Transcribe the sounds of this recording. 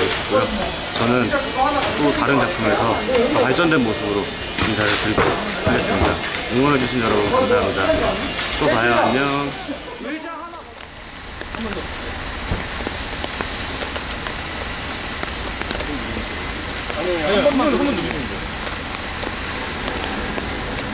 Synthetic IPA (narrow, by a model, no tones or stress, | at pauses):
oɕʰi̥p̚k͈ojo | t͡ɕʌnɯnt͈otaɾɯnt͡ɕapʰɯme̞sʰʌpaɭt͡ɕ͈ʌndwe̞nmosʰɯbɯɾo | t͡ɕimsʰaɾɯɭtɯɾiɡokʰɯːes͈ɯmɲida̰koŋʌnɦaɡuɕʰinjʌɾʌbunkamsʰaɦamɲidat͈opajaɲa